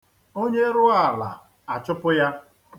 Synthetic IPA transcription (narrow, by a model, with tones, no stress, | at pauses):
o˦ɲe˦ɾʊ˦a˨la̰˨ | a˨t͡ʃʊ˦pʊ˦ja˦